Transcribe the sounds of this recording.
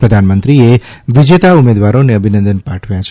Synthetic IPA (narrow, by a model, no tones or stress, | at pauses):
pɾəd̪ʱanmənt̪ɾieʋid͡ʒet̪aumed̪ʋaɾoneəbʱinənd̪ənpãʈʰʋjãt͡ʃʰ